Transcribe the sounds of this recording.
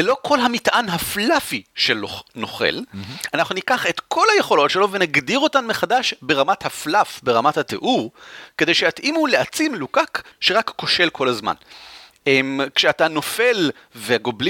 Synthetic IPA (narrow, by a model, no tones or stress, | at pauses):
elo̞kʰo̞lɦamitʔanɦaflafiʃelono̞χḛlanaχnunikaχetkʰo̞lhajeχo̞lo̞tʃelo̞venaɡdiʁo̞tanmeχadaʃbe̞ʁamathaflafbe̞ʁamathatḛʔuʁke̞de̞jʃejatʔimuleat͡simlukakʃeʁakːo̞ʃe̞lkʰo̞lazma̰n | emkʃeatano̞fe̞l | veɡobli